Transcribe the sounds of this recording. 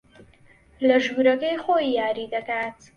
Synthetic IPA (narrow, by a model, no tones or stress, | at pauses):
lɐʒuɾɐkejxoijaːɾiːd̪ɐkaːt̪